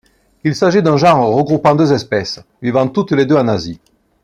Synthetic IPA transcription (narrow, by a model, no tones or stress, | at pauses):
ilsaʒid̪ɛ̃ʒɑ̃ʁʁəɡʁupɑ̃d̪øzɛspɛsvivɑ̃t̪ut̪led̪øɑ̃nazi